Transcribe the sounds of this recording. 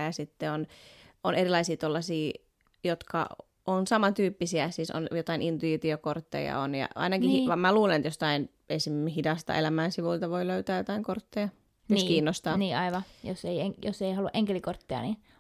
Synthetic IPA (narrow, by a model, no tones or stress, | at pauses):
jɑsit̪ːeononerilɑisiːt̪olːɑsiː | jot̪kɑ̰ | onsɑmɑt̪yːpːisiæsiso̰njot̪ɑinʔint̪uit̪iokort̪ːḛjɑ̰onjɑ̰ɑ̰inɑkihiʋɑmæluːlenet̪jost̪ɑin | esimhidɑst̪ɑ̰ʔelæmæːnsiʋult̪ɑʋoiløyt̪æːjot̪ɑiŋkort̪ːejɑ | joskiːnːost̪ɑːniːɑiʋɑjoseieŋjoseihɑlːuʔeŋkelikort̪ːeɑ̰ni